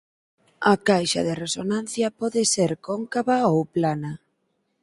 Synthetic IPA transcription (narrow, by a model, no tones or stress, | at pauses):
ɐkajʃa̰ðɪresonãnθjɐpɔðɪseɾkɔŋkaβaowplana